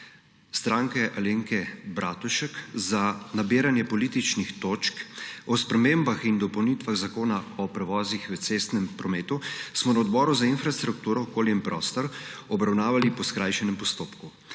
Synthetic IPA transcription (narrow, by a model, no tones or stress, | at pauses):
st̪ɾaːŋkɛʔaleːŋkɛbɾʔaːt̪uʃəkzanabiːɾanjɛpɔlit̪it͡ʃnixt̪oːt͡ʃkɔspɾɛmembaxind̪ɔpɔwnit̪ʋaɣzakoːnaɔpɾɛʋɔːzixʋɛsest̪nɛmpɾɔmeːt̪usmɔnaɔd̪bɔːɾuzainfɾast̪ɾuk̚t̪uːɾɔːkoːljɛmpɾʔɔːst̪ɔɾɔbɾawnaːʋalipɔskɾaːjʃɛnɛmpɔst̪oːpku